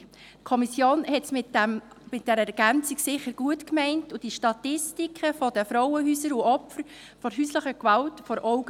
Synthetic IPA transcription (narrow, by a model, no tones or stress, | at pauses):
tkʰɔmisjoːnhɛtsmɪ | mɪt̚d̥ɛɾəɛɾɡ̥ænt͡siɡsɪχəɾɡ̥uətkmɛɪntud̥iʃtɑtɪstikʰχəfɔd̥əfɾɔwəɦyːsəɾuɔpfəɾ | fɔɾɦyːsləχəkʋɑltfɔɾʔɔʊɡ